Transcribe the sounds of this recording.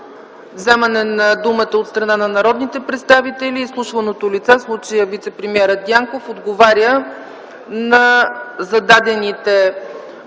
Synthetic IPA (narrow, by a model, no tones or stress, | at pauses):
vzɛmənɛnɐd̪umət̪əot̪st̪ɾɐnanɐnɐɾɔd̪nit̪ɛpɾɛt̪st̪avit̪ɛliːslˠuʃvənot̪olit̪sɛslˠut͡ʃəjəvit̪sɛpɾɛmiɛɾəd̪ʲjaŋkofod̪ɡovaɾʲjə | nɐzɐd̪ad̪ɛnit̪ɛ